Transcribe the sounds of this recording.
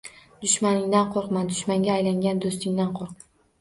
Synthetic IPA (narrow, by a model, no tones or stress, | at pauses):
d̪ʊʃmanɪŋd̪anqʰoɾqmand̪ʊʃmaŋɡʲaːjlaŋɡʲand̪ost̪ɪŋd̪anqʰoɾq̚m